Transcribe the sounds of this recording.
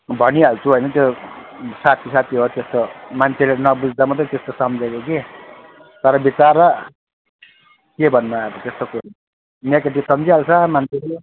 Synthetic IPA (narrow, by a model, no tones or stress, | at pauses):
bʱʌniɦalt͡sʰuɦojnʌt̪jo | sat̪ʰisat̪ʰiɦot̪est̪omant͡sʰelenʌbud͡zd̪ʌmʌt̪̬ʌt̪est̪osʌmd͡zekoki | t̪ʌɾʌbit͡saɾʌ | kebʱʌnːuaebt̪est̪oku | nekeʈ̬isʌmd͡ziɦalt͡sʰʌmant͡sʰele